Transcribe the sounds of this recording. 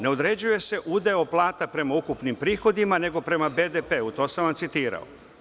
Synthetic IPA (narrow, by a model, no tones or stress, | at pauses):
ne̞o̞d̪ɾe̞d͡ʑuje̞se̞ʔud̪eoplˠaːt̪apɾe̞maukupnimpɾiːxo̞d̪imane̞ɡo̞pɾe̞mabed̪epe̞ːut̪o̞ːsamʋamt̪sit̪iːɾa̰o̰